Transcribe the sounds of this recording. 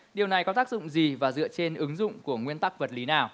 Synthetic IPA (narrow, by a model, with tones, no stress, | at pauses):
ɗi˨˩əwna˨˩jkɔ˨˦t̪aː˦˥k̚zʊ̰˧˨ŋ͡mzi˨˩vaː˨˩zɨ̰˧˨ət͡ɕe˧nʔɨ˨˦ŋzʊ̰˧˨ŋ͡mku˧˩əŋwi˧ənt̪a˦˥k̚və˨˩t̚li˨˦naː˨˩w